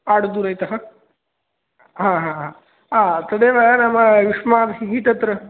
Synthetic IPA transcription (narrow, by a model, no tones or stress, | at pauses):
aːɽd̪uɾɐjt̪ɐɦɐ | ɦãɦãɦã | ɦãt̪ɐd̪eʋajanamaʋiʂmaːd̪ɦiɦit̪ɐt̪ɾɐ